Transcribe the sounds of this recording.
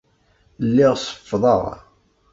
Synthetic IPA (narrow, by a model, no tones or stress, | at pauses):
lːɪʁsˤə̥fːðˤɑ̰ʁ